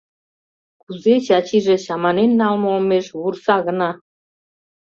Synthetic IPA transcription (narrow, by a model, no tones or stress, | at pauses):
kuzet͡ɕɑt͡ɕiʒĕɕɑmɑnenːɑlmɤomeʃβursɑɣə̆nɑ